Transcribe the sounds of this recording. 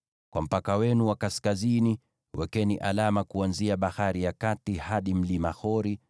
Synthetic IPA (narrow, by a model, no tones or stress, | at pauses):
kwam̩pakawɛnuwakaskazini | wɛkɛniʔalamakuanziaɓahaɾijakatihaɗim̩limaxɔɾi